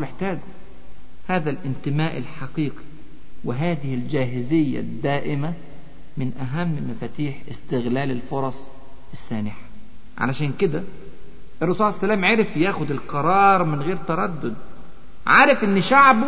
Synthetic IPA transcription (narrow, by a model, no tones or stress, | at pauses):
meħt̪æːɡ | haːðælʔɪnt̪ɪmaːʔɪlħɑqiːqi̥ | wɪɦaːðɪhɪld͡ʒæːɦɪzɪjːæ̰d̪ːæːʔɪma | mɪnʔæɦæmːmæfæːt̪iːħɪ̰st̪ɪɣlæːlɪlfoɾˤɑsˤ | ɪsːaːnɪħḁ | ʕa̰læʃæːnkɪd̪æ | ʔɪrˤːɑsuːlʕasːælæːmʕeɾɪfjæːxʊd̪ɪlqɑɾˤɑːɾˤmɪnɣeːɾt̪ɑɾˤɑd̪ːʊd̪̚ | ʕaːɾɪfʔɪnːʃaʕb